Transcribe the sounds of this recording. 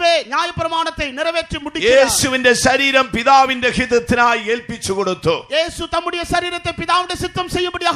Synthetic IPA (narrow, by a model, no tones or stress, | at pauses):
ʋeːɲjaːjɐpːɪɾɐmaːnɐt̪ːɐɪnɪɾɐʋeːʈrimʊɽɪjeːɐsɯʋɪndɐʃɐɾiːɾɐmpɪðaːʋɪndɐkɪðɐt̪ːɪnaːjeːɭpɪt͡ʃːɯkɔɽɯt̪ːujeːsɯt̪ɐmːɯɽɐjɐʃɐɾiːɾɐt̪ːɐɪpɪðaːʋɪnɐsɪt̪ːɐmsɛjːɯmpbɐɽɪjɐː